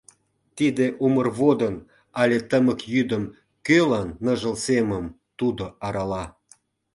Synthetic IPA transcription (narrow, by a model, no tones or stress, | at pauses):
t̪id̪eʔumərβod̪ən | ɑlʲet̪əməkjyd̪əm | kølɑnːəʒə̆lseməm | t̪ud̪oɑɾɑlɑ